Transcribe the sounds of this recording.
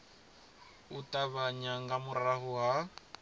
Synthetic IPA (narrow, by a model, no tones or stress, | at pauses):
utʼaβaɲaŋɡamʊɾaɦʊɦa